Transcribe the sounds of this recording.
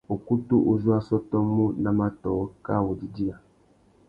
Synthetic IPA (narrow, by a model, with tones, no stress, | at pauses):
o˨ku˦tu˦ʔo˦zu˦a˦sɔ˦tɔ˦mu˦na˦ma˦tɔː˨˦ka˦˨wo˨di˨di˦a˨